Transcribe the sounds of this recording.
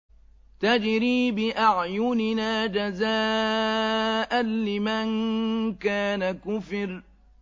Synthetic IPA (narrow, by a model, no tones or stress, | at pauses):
t̪ad͡ʒɾiːbɪʔaʕjʊnɪnaːd͡ʒazaː | ʔanlɪmankaːnakʊfɪɾ